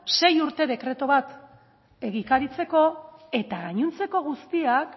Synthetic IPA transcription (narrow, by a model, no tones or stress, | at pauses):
se̞juɾt̪e̞ðe̞kɾe̞t̪oβat̪ | e̞ɣikaɾit͡se̞ko̞e̞t̪aɣaɲunt͡se̞ko̞ɣ̞ust̪iak